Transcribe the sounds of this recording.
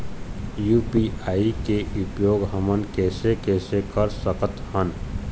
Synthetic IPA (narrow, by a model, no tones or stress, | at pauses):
juːpiaːikeʔʊpjoːɡɦəmənkɛːsekɛːsekəɾsəkət̪hən